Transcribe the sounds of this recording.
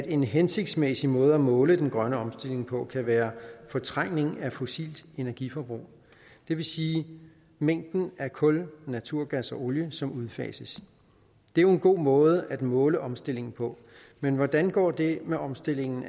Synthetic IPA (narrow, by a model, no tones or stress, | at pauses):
æd̥e̝nɦense̝ɡ̥̚d̥smesimɔ̽ːð̞̩ˠæmɔ̽ːləd̥enɡ̥ʁɶnəɒ̽msd̥e̝le̝ŋpʰɒ̽kʰæʋæːɐfɒ̽t͡sʰʁaŋ̰ne̝ŋæfo̝sḭːld̥e̝næɐɡ̥ifɒb̥ʁṵː | d̥e̝ʋe̝siː | meŋ̰d̥n̩æɐkʰɔ̽lnæt͡sʰuɐ̰ɡ̥æsɒ̽ʔo̝ljəsɒ̽muðˠfɛ̰ːsəs | d̥e̝æjo̝e̝nɡ̥o̝̰ːmɔ̽ːð̞ˠəʔæd̥mɔ̽ːləʔɒ̽msd̥e̝l̰e̝ŋn̩pʰɒ̽ | menʋɒd̥ænɡ̥ɒ̰ːd̥e̝meʔɒ̽msd̥e̝l̰e̝ŋn̩